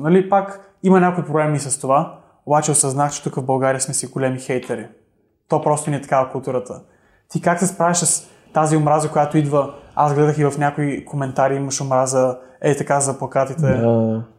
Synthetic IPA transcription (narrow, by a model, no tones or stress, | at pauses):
nɐlipak | imɐnʲakʊipɾoblɛmisɐst̪ova | obat͡ʃɛʊsɐznaxt͡ʃɛ̥t̪ukəvbɐlˠɡaɾijəsmɛsiɡolɛmixɛjt̪ɛɾi | t̪ɔpɾɔst̪onʲiɛt̪ɐ̥kavɐkʊlˠt̪uɾət̪ə | t̪ikaksɛspɾaviʃss | t̪aziomɾazəkojat̪oid̪vəa̰zɡlɛd̪əxivɐfnʲakoikʰomɛnt̪aɾiiməʃomɾazəɛt̪ɐkazɐplˠɐkat̪it̪ɛ